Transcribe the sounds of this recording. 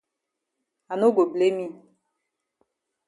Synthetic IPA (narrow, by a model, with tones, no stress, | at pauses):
a˨no˦ɡo˨ble˦mĩ˦